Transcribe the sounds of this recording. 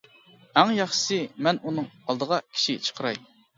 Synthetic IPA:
æŋjɑχʃsɨmɛnunɨŋɑlˠd̪əʁɑkʲʰi̥ʃit͡ʃʰə̥qʰəɾɑ̰j

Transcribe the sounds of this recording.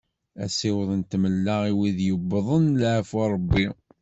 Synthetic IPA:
æ̰sɪwəðˤənt̪məlːaʁiwiðjəbːðˤənlʕəfɑɾˤəbːi

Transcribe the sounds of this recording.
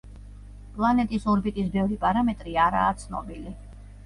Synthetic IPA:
pʼlˠanɛt̪ʼisɔɾbit̪ʼisbɛvɾipʼaɾamɛt̪ʼɾiaɾa̰ːt̪sʰnɔ̰bili

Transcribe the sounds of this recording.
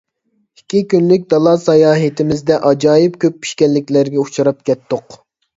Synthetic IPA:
ikʲːikʲynlɪk̚ʲd̪ɑlˠɑsɑjɑːɦɨt̪ʰɪmɪzd̪ɛʔɑd͡ʒɑːjipkʲʰøp̚ːi̥ʃkʲɛnlːɪkʲlæɾɡʲɛut͡ʃʰɑɾɑp̚kʲɛt̪ːoq

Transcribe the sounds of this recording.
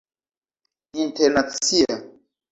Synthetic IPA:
inteɾnat͡sia

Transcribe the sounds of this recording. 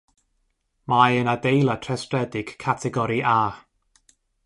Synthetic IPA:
majənadejlˠatʰrɛstrɛdɪɡ̥kʰːatʰɛɡɔɾiʔa

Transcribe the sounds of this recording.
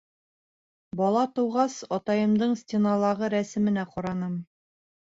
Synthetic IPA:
bɒlˠɑt̪ɤwʁɑsɒt̪ɑjɤ̆md̪ɤɴstʲenɑlˠɑʁɤɾæsɘ̆mɘ̆næqɒɾɑnɤm

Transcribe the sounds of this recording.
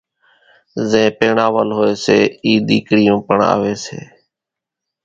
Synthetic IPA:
zẽːpeːɳaːʋəlɦoːeːseːiːɗ̪iːkɽɪjõːpəɳa̰ːʋeːsḛː

